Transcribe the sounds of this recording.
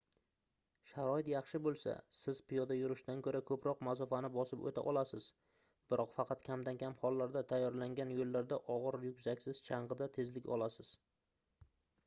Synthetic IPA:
ʃaɾɒɪt̪jɑχʃɪbolˠsa̰sɪz̥pɪjɒd̪ajʊɾɪʃt̪ankʰɵɾakʰɵpɾɒqmasɒfanɪbɒsɪpo̰t̪ʰa̰ʔɒlasɪz̥ | bɪɾʔɒqfɑqʰɑt̪kʲʰamd̪ankʲʰamhɒlˠːaɾd̪at̪ʰajːɒɾlaŋɡʲanjolːaɾd̪aʔɒʁɨɾjʊkʲsakʲsɪz̥t͡ʃʰɑɴʁɨd̪at̪ʰe̞zlɪkʲɒ̰lˠasɪz̥

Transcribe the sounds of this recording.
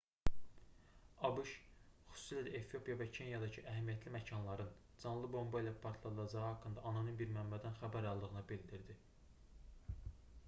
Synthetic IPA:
ɑbɯʃχy̥susilæd̪æʔefijo̞pʰijɑvæcʰe̞njɑd̪ɑcʰɯʔæɦæmijæt̪ʰlimæcʰɑnlˠɑɾɯn | d͡ʒɑnlˠɯbo̞mbɑilˠæpʰɑɾt̪ʰlˠɑd̪ɯlˠɑd͡ʒɑʁɯhɑkːɯnd̪ɑʔːnɑnɯnbiɾmæmbæd̪ænxæbæɾɑlˠd̪ɯʁɯnɯbild̪iɾd̪i

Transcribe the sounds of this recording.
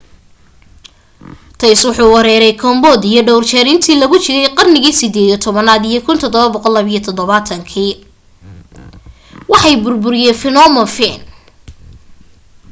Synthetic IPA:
t̪ʰɐjswʊħuːwɐɾɛːɾɛjkʰɐmbɔd̪ijɞɖɔwrt͡ʃɛɾɪnt̪ʰiːlɐɣʊt͡ʃɪɾɛjqɑrnɪɣiːsɪd̪ɛːd̪ijɔt̪ʰɔβɐnaːd̪ijɞkʰʊnt̪ʰɔd̪ɔβɐbɔqɔlːɐβijɔt̪ʰɔd̪ɔβaːt̪ʰɐŋkʰiː | wɑħɑjbʊrbʊɾɪjɛfɪnɔmɐfɛːn

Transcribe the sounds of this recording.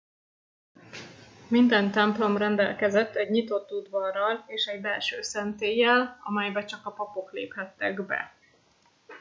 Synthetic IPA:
mind̪ɛnt̪ɛmplo̞mrɛnd̪ɛ̰lkɛzɛt̪ːɛɟɲit̪o̞t̪ːud̪vɒrːɒleːʃɛɟbɛlʃøːsɛnt̪eːjːɛlɒ̰mɛjbɛt͡ʃɒkɒpɒpo̞klḛːphɛt̪ːɛɡbɛ̰

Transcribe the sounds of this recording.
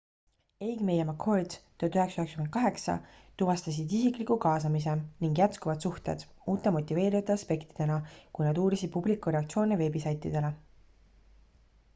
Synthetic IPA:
ejɡme̞jemɑkʰord̪st̪øt̪yɦe̞ksɑyhekskymenkɑɦe̞ksɑ̰ | t̪uvɑst̪ɑs̬id̪isiklikukɑːs̬ɑmis̬e̞niŋɡjæt̪kuvɑd̪̥suht̪e̞̰d̪̥uːt̪ːˑemo̞t̪ʲːˑive̞ːɾivɑt̪ːˑeɑspe̞kt̪id̪̥e̞nɑkujnɑd̪uːɾisid̪̥̚publikːˑuɾe̞ɑkt̪sio̞ːneve̞ːbisɑjt̪ˑːid̪̥e̞le̞

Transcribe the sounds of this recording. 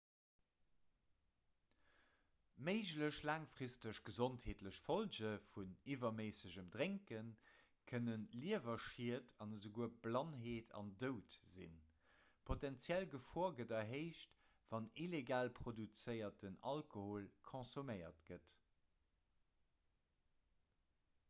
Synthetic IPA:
məɪʑləɕlaːŋfʁistəɕɡ̥əzontheːtləɕfold͡ʑəfunivɐməɪsəʑəmdʁeŋkən | kʰənənliəvɐʃiətʰɑnəzəɡuəb̥lɑnɦeːtʰɑ̰ndəʊtz̥ḭn | pʰotænt͡sjælɡəfoɐɡədɑɦeɪʃt | vɑnileɡaːlpʰχodut͡səɪɐt̚ənɑ̰lkohoːlkʰõsuməɪɐ̰tɡ̥ət

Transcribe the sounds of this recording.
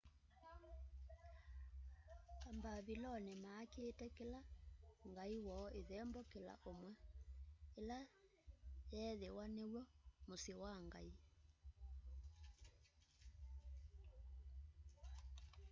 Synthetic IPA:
kambaβilɔnemaːkeːtɛkelaŋɡaiwɔːeðɛmbɔkela̰ʔomwɛ | ela | jɛːðewaneɣwɔmosewaŋɡai

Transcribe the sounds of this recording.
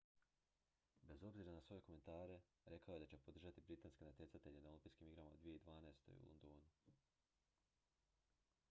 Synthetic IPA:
be̞zo̞bziɾanasʋo̞je̞ko̞me̞nt̪aːɾe̞ | ɾe̞kaoje̞d̪at͡ɕepo̞d̪ɾr̩ʒat̪ibɾit̪aːnskenat̪je̞t̪sat̪e̞ʎenaolĩmpiskimiɡɾamaod̪ʋije̞id̪ʋaːnaest̪o̞̰jṵlond̪oːnu

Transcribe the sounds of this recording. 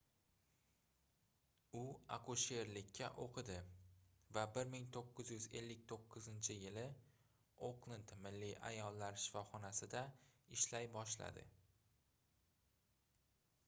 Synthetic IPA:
ʊa̰qʰʊʃe̞ɾlɪkʲʰːaʔoqʰɨd̪ɪ | vabɪɾmɪŋt̪ʰoqːɨzjʊze̞̰lːɪk̚ʲt̪ʰoqʰːɨzɪnt͡ʃʰɪjɪlɪ | oklˠɪnt̪mɪlːiʔa̰jɒlːaɾʃɪ̥fɒχɒnasɪd̪aɪʃlajbɒʃla̰d̪ɪ̰

